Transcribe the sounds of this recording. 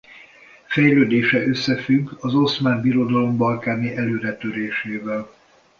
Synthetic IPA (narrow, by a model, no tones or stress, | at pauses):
fɛjløːd̪eːʃɛʔø̞sːɛfyɡːɒzo̞smaːnbiɾo̞d̪ɒlo̞mbɒlkaːniʔɛløːɾɛt̪øɾeːʃeːvɛl